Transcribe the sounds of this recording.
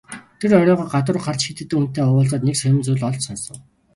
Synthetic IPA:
t̪ʰeɾœɾʲɔːʁɔːɢat̪ə̆rχar̥t͡ɕxit̪ɘ̆t̪ːɘ̆kun̥t̪ːeːʊwʊːɮt͡saːt̪neksœjɪ̆mt͡suɮɔɮt͡ɕsɔnsɞ̆ŋ

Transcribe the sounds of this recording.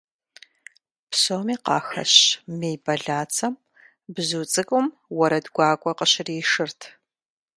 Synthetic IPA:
pʰsoːmiːqɑ̰ːxɐ̰ɕmeːjbɐɮaːt͡sʰɐm | bzuːt͡sʼɨkʷʼʊm | wɐɾɐdɡʷɑːkʷʼɔqəɕɪriːʂɨrtʰ

